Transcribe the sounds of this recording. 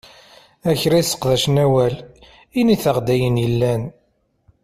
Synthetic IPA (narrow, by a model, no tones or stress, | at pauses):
æçɾasə̥qðæʃnæwæl | iniθəʁd̪æjənjəlːæn